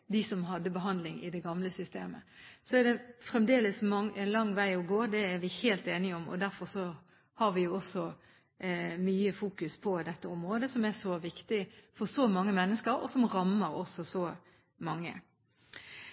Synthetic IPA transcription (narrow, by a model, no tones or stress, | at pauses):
d̪ɪsɔmɦɑd̪ːəbəɦɑnd̪lɪŋɪ̰d̪ɛɡɑmləsʏst̪eːmə̰sɔɛd̪ɛfɾɛmd̪eːləsmɑŋɛlɑŋːʋæɪɔɡoːd̪ɛæɾʋɪheːlt̪eːnɪɔmɔ̰d̪æɾfɔɾsɔ | hɑɾʋɪjʊɔsɔ | myːəfuːkʉspʰɔd̪ɛt̪ːəɔmʁoːd̪əsɔmɛsɔʋɪkt̪ɪfɔɾsɔmɑŋːəmɛnːəskəɾɔ̰sɔmʁɑmːəɾɔsɔsɔ | mɑŋːə̰